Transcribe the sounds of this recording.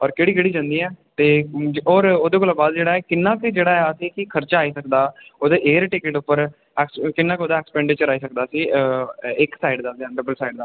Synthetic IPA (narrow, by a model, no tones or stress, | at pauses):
ɔːɾkeːɽiːɡəɽiːd͡ʒãːnd̪iːɛːt̪eːɔːɾoːd̪eːkoːlabaːd̪d͡ʒeːɽaːɛːkɪnːaːkɪd͡ʒeːɽaːɛsiːkɪkʰəɾt͡ʃaːiːsəkd̪aːoːd̪eːʔeːəɾʈeːkeʈʊpːəɾ | ɛkskɪnːãːkoːd̪aːɛːkspɛ̃ːɳɖɪt͡ʃəɾaːiːsək̚d̪aːsiː | ɪksaːɪɖd̪aːseəɖəbəlsaːiɖd̪aː